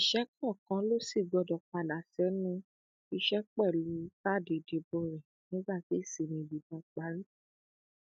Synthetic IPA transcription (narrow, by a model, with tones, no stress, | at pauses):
i˨ʃɛ˦kɔ˦˨kã˨˦lo˦si˦˨ɡ͡bɔ˧dɔ˨k͡pa˨la˨˦sɛ˨˦nũ˦ | i˧ʃɛ˦k͡pɛ˦˨lu˨˦ta˦˨de˨de˨˧bo˦˨ɾɛ˨ | nĩ˦ɡ͡ba˦˨ti˨˦i˦˨si˨nĩ˧˨bi˨dɔ̃˨˧k͡pa˨˦ɾi˦